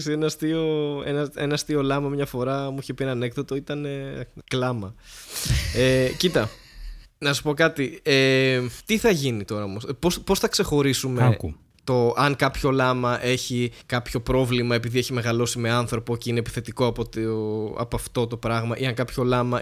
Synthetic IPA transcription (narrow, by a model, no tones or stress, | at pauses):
sienɐst̪io̞ḛnɐe̞nɐst̪io̞lɐmɐmɲɐfo̞ɾɐmuiçepienɐne̞kðot̪o̞it̪ɐne̞klɐmɐ | ecit̪ɐ | nɐssu̥po̞kɐt̪iet̪iθɐʝinit̪o̞ɾɐomospospo̞sθɐkse̞xo̞ɾisumek | t̪o̞ʔɐŋkɐpço̞lɐmɐʔe̞çikɐpço̞pɾo̞vlimɐe̞piðie̞çime̞ɣɐlo̞sime̞ɐnθɾo̞po̞ceinepi̥θe̞t̪iko̞ɐpot̪ɐ̰pɐft̪o̞t̪o̞pɾɐɣmɐʔiɐŋkɐpço̞lɐmɐ